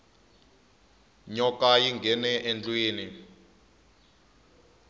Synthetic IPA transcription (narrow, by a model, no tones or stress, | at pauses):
ɲɔkajiŋɡʱɛnɛʔɛnd͡ɮʼwiːni